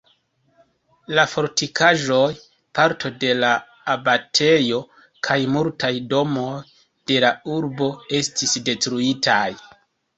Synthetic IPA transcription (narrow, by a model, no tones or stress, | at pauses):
lafo̞ɾtikʰaʒo̞j | paɾtʰo̞de̞laː | batʰe̞jo̞ | kʰajmultʰajdo̞mo̞j | d̥e̞lauɾbo̞e̞stisde̞tɾuitʰaj